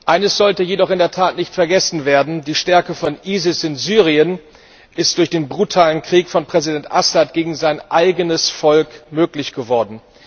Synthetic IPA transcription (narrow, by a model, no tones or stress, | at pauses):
ʔaɪnəsz̥ɔltəjedɔχɪndeːɐtʰaːtnɪçtfɛɐɡɛsn̩veːɐdn̩diːʃtɛɐkəfɔnʔiːzɪsɪnzyːʁiən | ʔɪst̚d̥ʊɐçd̥eːnbʁutʰaːlənkʁ̥iːkfɔnpʁ̥ɛzidɛntʔasatɡ̥eːɡŋ̩zaɪnʔaɪɡənəsfɔlkmøːklɪçɡ̥əvɔɐdn̩